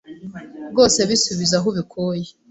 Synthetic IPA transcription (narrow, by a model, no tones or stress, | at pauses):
ɡo̞ːse̞βisuβizaɦuβikʰoːje